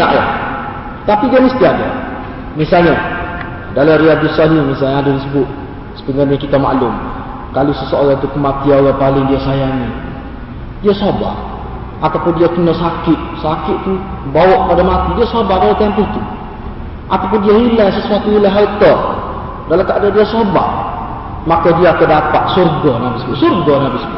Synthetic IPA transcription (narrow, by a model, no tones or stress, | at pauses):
a̰ʔja̰ | t̪apidiaməst̪iada̰ | misalɲa | dalariabusalimisalɲaadadisəbʊt̪̚ | sə̥pəŋarɲakit̪ama̰lʊm | kalusəsoalat̪ukəmat̪iaoɣapalɪŋdiasajaŋi | diasaba̰h | ʔat̪apʊndiakənɔsakɪʔsakɪʔt̪u | bawɔʔpadamat̪idiasobahdalat̪ɛmpuht̪u | ʔat̪ap̬ʊndiaɦilaŋsəsuat̪uhilaɦalt̪ɔr | dalakaʔdadiasoba̰h | makadiakədapaʔ̪surɡanabisəbʊʔsurɡanabisəbʊ